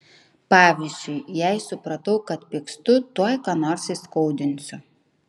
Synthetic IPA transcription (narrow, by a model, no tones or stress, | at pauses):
pɑːʋʲizʲd͡ʒʲʊɪjɛɪsʊpɾɐt̪ɐʊkɐt̪pʲikst̪ʊt̪uɔjkɑnoːɾsɪskɔʊd̪ʲɪnʲsʲʊ